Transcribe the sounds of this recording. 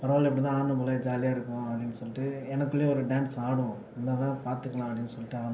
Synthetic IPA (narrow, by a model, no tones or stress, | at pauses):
pɐɾɐʋaːlɛpːɐɽit̪ãːaːnːɐmʊlɐd͡ʒaːlɪjaːɪɾɯkːʊ̃ɐpːɐɽɪnːɯsɔlːɪʈːɯɛnɐkːɯɭːɪjɐɔɾɯɖaːnsaːɽɯ̃ | ɛnːɐt̪ãːpaːɾt̪ɯkːɐɭãːɐpɽɪnːɯsɔlːɪʈːɯaːn